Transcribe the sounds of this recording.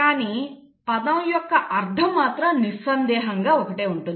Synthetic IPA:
kaːniː | pɐd̪ɐmjɔkːɐʔɐɾd̪ʱɐmːaːt̪ɾɐmnisɐnd̪ɛːɦɐŋɡaːɔkɐʈeːuɳʈund̪

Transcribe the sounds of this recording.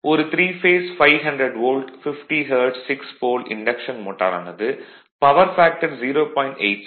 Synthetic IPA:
ʔɔɾɯt̪ɾiːfeːsfɐɪʋɦɐɳɖɾɐɖʋoːlɖfɪfʈiɦɐːɾɖsɪkspoːlɪ̰ɳɖɐkʂɐnmoːʈːa̰ːɾa̰ːnɐðɯ | pɐʋɐɾfaːk̚ʈɐɾziːɾoːpɔːɪ̃ɳʈḛɪʈ

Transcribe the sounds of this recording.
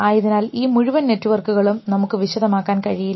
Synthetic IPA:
aːjiðinaːliːmuɻuʋɐnːe̞tːuʋɐrkuɣɐɭumnɐmukːɨʋiɕɐðɐmaːkːaːnkɐɻijil

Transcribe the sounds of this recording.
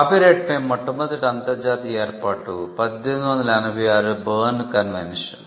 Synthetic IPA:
apiɾeːʈmeːmːɐʈːɐmɐd̪iʈɐnt̪ɐɾd͡ʒaːt̪ieːɾpaːʈːupɐd̪jend̪ʋɐnd̪ilanɐbʱijaːɾɨbɐːnkɐnʋḛnʂɐn

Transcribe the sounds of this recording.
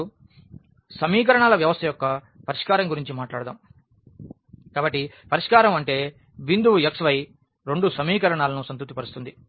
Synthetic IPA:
sɐmiːk̬ɐɾɐɳaːlɐʋjɐʋɐst̪ʰɐjɔkːɐ | pɐɾiʂkaːɾɐŋɡuɾiɲt͡ʃimaːʈlaːɽɐd̪a̰ːm | kaːbɐʈːipɐɾiʂkaːɾɐmɐɳʈe̞ː | bind̪uʋeksʋɐj | ɾeɳɖusɐmiːkɐɾɐɳaːlɐnusɐnt̪̬ut̪ːipɐɾust̪und̪i

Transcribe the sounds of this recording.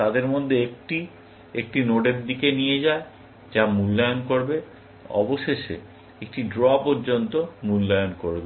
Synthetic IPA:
t̪ad̪eɾmod̪ʱːeekʈi | ek̚ʈinoɖeɾd̪ikenijed͡ʑae | d͡ʑamulːajonkoɾbe | ɔ̰boʃeʃḛ | ek̚ʈiɖɾɔpoɾd͡ʑont̪omulːajonkoɾbe

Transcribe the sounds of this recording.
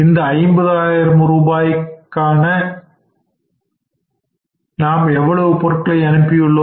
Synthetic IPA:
ɪnd̪ɐɐɪmbɐðaːjɪɾɐmɾuːbaːjkːaːnɐ | naːmɛʋːɐɭɐʋɯpɔɾɐkːɐɭɐɪɐnɯpːɪjɯɭːo

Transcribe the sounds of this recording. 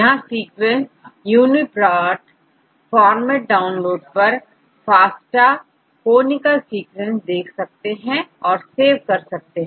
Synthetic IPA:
jɐɦãsiːkwɛ̃nsjuːnipɾaːʈ | fɔːɾmeʈ̚ɖaːʊnloːɖ̚pɐɾ | faːsʈa | koːnɪkəlsiːkwɛ̃nsd̪eːkʰsɐk̚t̪eɦɛ̃ɔːɾseːʋkɐɾsɐk̚t̪eɦɛ̃

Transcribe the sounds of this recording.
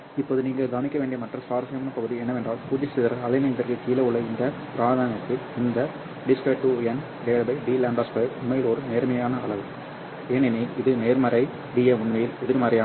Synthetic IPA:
ɪpːoːðɯniːŋɡɐɭɡaːnɪkːɐʋeːɳɖɪɐmɐʈrɐsaːɾɐsɐmɐnɐpɐɣɯðiɛnːɐʋɛndraːlpuːd͡ʒɐsɪðɐɾɐɐlɐɪnɐɪd̪ɐɾkɯkːiːlɐʊɭɐjɪndɐpɪɾaːɾðaːnɐt̪ːɪlɪnd̪ɐ | ɖɪskɐʈːɯɛn | eːɭbɐɪɖiːlaːɳɖɐspɐjɾʊmːɐjɪlɔɾɯneːɾmɐjaːnɐːɭɐʋɯ | eːnɛnɐjlɪðɯneːɾmɐɾɐɪ | ɖiːjeːʊɳmɐjɪlʊðɪɾmɐɾɐjaː

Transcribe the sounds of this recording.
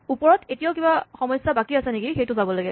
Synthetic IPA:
upɔɹɔtetijaʊkibaxɔmɔjsːabakiasɛnekixejtʊzabɔlaɡɛ

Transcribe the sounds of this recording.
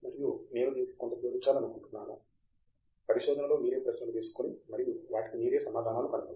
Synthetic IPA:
mɐɾijune̞ːnud̪ii̥kont̪ɐpeːɾit͡ʃːaːlɐnukuɳʈunːa̰ːnu | pɐɾiʃɔːd̪ʱɐnɐlo̞ːmiːɾe̞ːpɾɐsnɐlut̪eːsu̥konimɐɾijuʋaːʈi̥kimiːɾe̞ːsɐmaːd̪ʱaːnaːlukɐnɐpɐ

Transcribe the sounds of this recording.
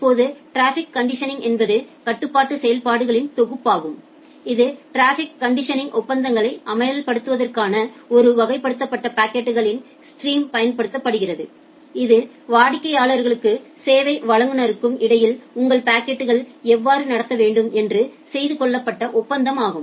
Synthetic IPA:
pːoːðɯʈɾaːfɪkːɐɳɖɪʂɐnɪ̃ŋɡɛnbɐðɯkɐʈːɯpːaːʈːɯsɛjɐlpaːɽɯɣɐɭɪnt̪ɔɣɯpːaːɣɯm | ɪðɯʈɾaːfɪkːɐɳɖɪʂɐnɪ̃ŋʔɔpːɐnd̪ɐŋɡɐɭɐɪʔɐmɐjɐlpɐɽɯt̪ːɯʋɐðɐrkaːnɐɔɾɯʋɐɣɐɪpːɐɽɯt̪ːɐpːɐʈːɐpaːkeʈːɯɣɐɭɪn | sʈɾiːmpɐjɐnpɐɽɯt̪ːɐpːɐɽɯɣɪrɐðɯ | ɪðɯ | ʋaːɽɪkːɐɪjaːɭɐɾɣɐɭɯkːɯseːʋɐɪʋɐɻɐŋɡɯnɐɾɯkːɯmɪɽɐjɪlʊŋɡɐɭpaːkːeʈːɯɣɐɭɛʋːaːɾɯnɐɽɐt̪ːɐʋeːɳɖɯmɛndrɯsɛjðɯkɔɭːɐpːɐʈːɐʔɔpːɐnd̪ɐmaːɣɯm

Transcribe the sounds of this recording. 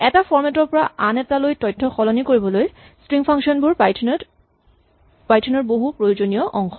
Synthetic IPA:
ɛtafʰɔɹmɛtɔɹpɔɹaʔanɛtalojtɔjtʰːɔxɔlɔnikoɹibɔloj | stɹiŋpʰaŋʃɔnbuɹʰ | pajtʰɔnɔɹboɦupɹojod͡ʑoniɔʔɔŋxɔ

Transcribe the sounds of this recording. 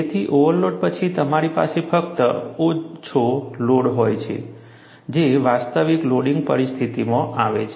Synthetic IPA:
d͡ʒet̪ʰiʔoʋəɾloɽpət͡ʃʰit̪əmaɾipa̰sefək̚t̪əot͡ʃʰoloɽɦojt͡ʃʰḛ | d͡ʒeʋast̪əʋikloɽiŋɡpə̰ɾist̪ʰit̪imãʔaʋet͡ʃʰe

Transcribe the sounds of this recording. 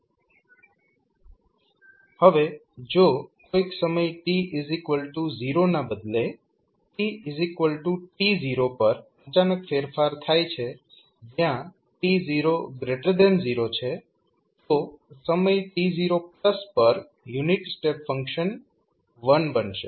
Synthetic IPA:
həʋe | d͡ʒokoiksəməjʈiɪzikʋəlʈuziɾonabəd̪le | ʈiizikʋəlʈuʈiziɾopəɾ | ət͡ʃanəkfeɾfaɾt̪ʰajt͡ʃʰe | d͡ʒjã | ʈiziɾoɡɾeʈəɾd̪enziɾot͡ʃʰe | t̪osəməjʈiziɾopləspəɾ | juniʈsʈepfəŋkʃən | ʋənbənʃḛ

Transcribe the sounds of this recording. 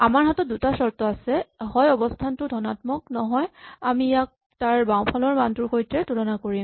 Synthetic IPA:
amaɹɦatɔt̚dutasɔɹtɔasɛhɔjɔbɔstʰantʊdʱɔnatmɔk̚nɔɦɔjamijak̚ | taɹbaw̃pʰɔlɔɹmantuɹxojtɹɛtulɔnakoɹim

